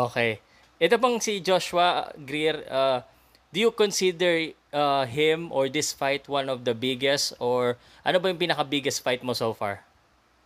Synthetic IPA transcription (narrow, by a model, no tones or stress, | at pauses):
ʔoːkɛj | ʔɛt̪obɐŋsid͡ʒoʃʊɐɡɾiɾa | d̪ujʊkonsid̪ɛɹ | aɦɪ̃mʔɔɹd̪ɪsfajt̪wãnɔvd̪ɐbɪɡɛst̪ʔoɹ | ʔɐnobɐjʊŋpiːnɐkɐbɪɡɛst̪fajt̪̚mosowfa̰ɹ